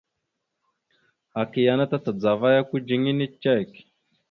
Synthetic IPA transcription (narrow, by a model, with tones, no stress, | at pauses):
a˨ki˨ja˨na˦ta˦ta˨d͡za˨va˦ja˦ku˦d͡ʒi˨ŋi˦ni˦t͡ʃːe˦˨k